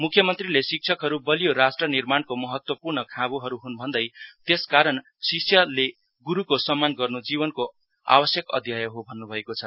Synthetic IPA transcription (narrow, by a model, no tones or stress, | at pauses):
mukʰːjʌmʌnt̪rilesik̚t͡sʰʌkɦʌɾubʌlijoɾasʈrʌnirmankomʌɦʌt̪wʌpurnʌkʰãbuɦʌɾuɦunbʱʌnd̪ʌjt̪eskaɾʌn | siksʰjʌle | ɡuɾukosʌmːanɡʌrnod͡ziβʌnko | a̰bʌsjʌkʌ̰d̪ʱjajʌɦobʱʌnːubʱʌekot͡sʰʌ